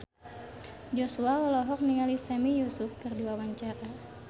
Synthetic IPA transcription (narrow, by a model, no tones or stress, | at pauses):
d͡ʒɔsuaɔlɔɦɔk̚niŋalisɛmijusufkɨrdiwawaɲt͡ʃaɾa